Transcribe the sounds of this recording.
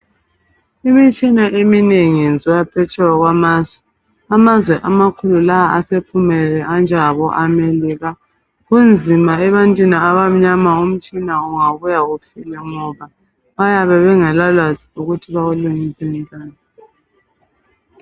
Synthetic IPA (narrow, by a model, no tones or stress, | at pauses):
imit͡ʃʼinaʔemineŋind͡zʱujapʰɛt͡ʃʰʼɛwaɣwamaːzwɛ | amazwɛʔamakʰululaaasepʰumɛlɛʔand͡ʒʱaβɔʔameliɣa | ɣund͡zʱimaɛβantʼwiniaβam̩ɲamaum̩t͡ʃʼinauŋaβujaɣufilɛŋɔβa | βajaβɛβɛŋalalwaziuɣutʰiβaɣuluŋisim̩tʼaːnɔ